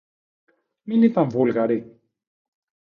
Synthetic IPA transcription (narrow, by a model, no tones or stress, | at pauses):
minit̪amvolakaɾe